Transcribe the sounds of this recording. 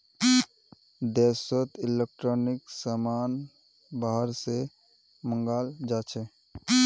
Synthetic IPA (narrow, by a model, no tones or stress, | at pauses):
d̪ɛːsət̪ɪlek̚ʈɾoːnɪksamaːn | baːɦəɾse | mə̃ŋɡaːld͡ʒaːt͡ʃʰe